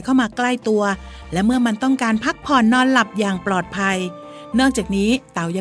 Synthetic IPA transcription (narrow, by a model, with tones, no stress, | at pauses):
kʰa˥˩wmaː˧kla˥˩jt̪u˧ɐ | lɛ˦˥wmɯ˥˩ɐma˧nt̪ɔ˥˩ŋkaː˧npʰa˦˥k̚pʰɔː˨˩nːɔː˧nla˨˩p̚jaː˨˩ŋplɔː˨˩t̪̚pʰa˧j | nɯ˥˩k̚t͡ɕaː˨˩k̚niː˦˥t̪a˨˩wja˧